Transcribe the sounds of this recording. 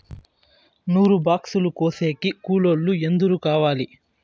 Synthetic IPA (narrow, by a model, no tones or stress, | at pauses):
nuːɾubaːksulukoːseːkikuːloɭːue̞nd̪uɾukaːʋaːli